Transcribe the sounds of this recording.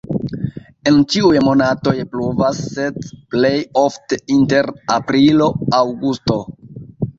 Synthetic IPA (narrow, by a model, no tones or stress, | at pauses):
e̞nt͡ʃiujmo̞nato̞jpluvasːedple̞jo̞fteinte̞ɾapɾilo̞awɡusto̞